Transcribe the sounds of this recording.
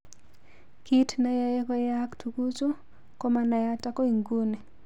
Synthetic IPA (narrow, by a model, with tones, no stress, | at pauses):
ki˦tna˦ja˦e˦kɔ˦ja˦ktu˨ku˦t͡ʃu˦ | ko˦ma˦na˨ja˦ta˦kɔ˦i˨ŋɡu˦ne˨